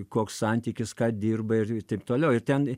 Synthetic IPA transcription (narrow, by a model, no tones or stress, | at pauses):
koːkssɐnʲt̪ʲiːkʲɪskɑːd̪ʲiːrbɐɪrɪt̪ɐɪpt̪oːlʲɛʊɪrt̪ʲɛn